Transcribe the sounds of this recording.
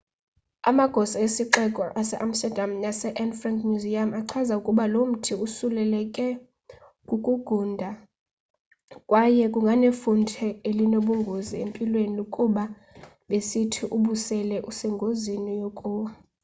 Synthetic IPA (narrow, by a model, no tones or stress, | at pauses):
a̰maɡ̥ʱɔsaesiǃɛkʼɔʔasɛʔam̩stɛdʱamjasɛʔɛnfraŋkʰʼmjuziamaǀʰazaukʼuɓalom̩tʰiusulɛlɛkʼɛ | kʼukʼuɡ̥ʱundʱa | kʼwajɛkʼuŋɡʱanefuntʰɛelinoɓuŋɡʱoziempʼilwenilukʼuɓa | ɓesitʰiʔuɓusɛlɛʔusɛŋɡʱozinijɔkʼɔ